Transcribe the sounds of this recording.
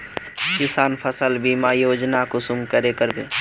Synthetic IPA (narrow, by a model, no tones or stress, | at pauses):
kɪsaːnpʰəsəlbiːmaːjoːd͡ʒnakʊsʊmkəɾekəɾbʱiː